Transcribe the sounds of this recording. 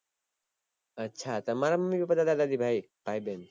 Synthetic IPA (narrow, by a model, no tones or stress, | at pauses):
ɐtːɕʰat̪ɐmaɾamɐmːibipɐt̪ad̪ad̪aːd̪ibʱai | paːiben